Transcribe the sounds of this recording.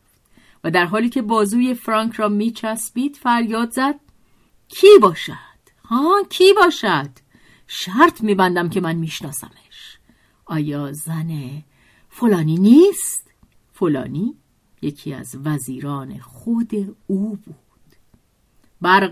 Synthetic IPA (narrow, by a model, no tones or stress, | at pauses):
væd̪æɾɦɒːliːcʰe̞bɒːzuːje̞fɾɒŋkʰɾɒːmiːt͡ʃʰæsbiːd̪̥fæɾjɒːd̪zæd̪̥̚ | cʰiːbɒːʃæd̪̥hɒːcʰiːbɒːʃæd̪̥ | ʃæɾt̪ʰmiːbænd̪æmcʰe̞mænmiːʃnɒːsæ̰meʃ | ʔɒːjɒːzæne | folɒːniːniːst̪ | folɒ̰ːniː | jecʰiːæ̰zvæziːɾɒːne̞̰xod̪euːb̥uːd̪̥ | bæɾ